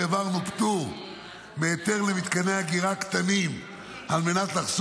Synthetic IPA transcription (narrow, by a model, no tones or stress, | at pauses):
evaʁnupt̪u | meːt̪e̞ʁlemit̪kaneaɡiʁakt̪anim | alme̞nat̪laχs